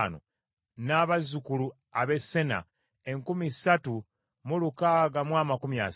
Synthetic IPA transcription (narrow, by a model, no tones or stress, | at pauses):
no̰ | naːβazukulu | aβe̞sːe̞na̰ | eŋkumisatu | mulukaːɡamwaːmakumia̰